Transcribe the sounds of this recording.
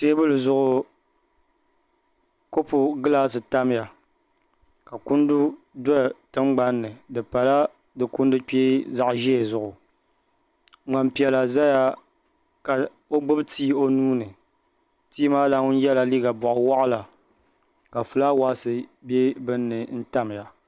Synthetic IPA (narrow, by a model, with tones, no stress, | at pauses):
teː˦bʊ˦lɨ˨zʊ˨ʔʊ˨ | ko˦pʊ˨ɡɨ˦laː˦s̬ɨ˨ta˦m˦ja˨ | ka˨kʊ˦ndʊ˦ | dɔ˦˨tɨ˦ŋ͡mɡ͡ba˦nːɨ˨dɨ˨pa˨la˦ | dɨ˨kʊ˦n˦dɨ˦k͡pe˦za˨ʔʒɛ˦e˨zʊ˨ʔʊ˨ | ŋ͡ma˨mpi˨ɛ˨la˨za˦ja˦ | ka˨ | o˦ɡ͡bʊ˦btiː˦o˦nuː˦nɨ˨ | tiː˦maː˦la˦ŋʊ˦n˦jɛ˦la˨liː˦ɡa˨bʊ˨ʔʊ˨wa˦ʔla˨ | ka˨fɨ˨la˦wa˦sɨ˨be˦bɨ˦nːɨ˨n̩˦ta˦m˨ja˨